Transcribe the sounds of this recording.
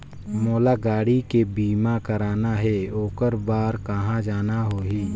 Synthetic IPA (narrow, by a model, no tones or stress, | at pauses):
moːlaɡaːɽikebiːmakəɾaːnaɦɛoːkəɾbaːɾkəɦãd͡ʒaːnaɦoːɦiː